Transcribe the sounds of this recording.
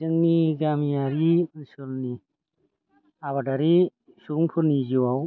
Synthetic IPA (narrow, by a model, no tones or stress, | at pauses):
zɯŋniɡamijaɾimɯnsɯɾni | aβadaɾi | suŋpʰɯɾniziwaw